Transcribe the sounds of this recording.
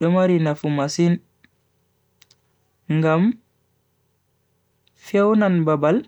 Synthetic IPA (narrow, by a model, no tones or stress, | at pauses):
ɗɔmaɾinafumasin | ŋɡam | fɛwnanbabal